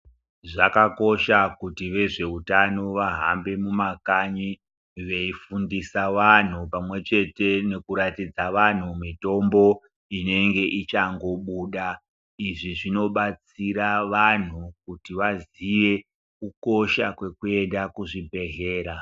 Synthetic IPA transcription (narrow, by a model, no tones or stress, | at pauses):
ʐakako̞ʃakutiʋe̞ʐe̞utanoʋaɦa̰mbe̞mumakaɲi | ʋe̞ifundisaʋan̤upamwe̞t͡ʃe̞te̞no̞kuɾatid͡zaʋan̤umito̞mbo̞ | ine̞ŋɡe̞ʔit͡ʃaŋɡo̞ɓuːɗa | iʐiʐino̞ɓat͡siɾaʋan̤ukutiʋaziʋe̞ | kuko̞ʃakwe̞kue̞ndakuʐibʱe̞ɦeːɾa